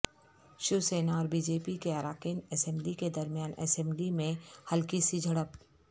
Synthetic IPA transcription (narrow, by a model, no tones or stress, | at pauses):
ʃuseːnaɔːɾbiːd͡ʒeːpikeɐɾaːkiːnɛsɛ̃mbliked̪ɐɾmijaːnɛ̰sɛ̃mblimẽhɐlkisid͡ʒʱəɽəp